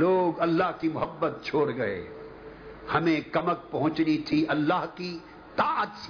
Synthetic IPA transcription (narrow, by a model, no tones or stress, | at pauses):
loːɡɐlːaɦkimʊɦəbːət̪̚t͡ʃʰoːɽɡɐḛ | hɐmẽkɐmək̚pɐɦʊ̃t͡ʃnit̪ʰiʔɐlːaːɦki | t̪aːət̪s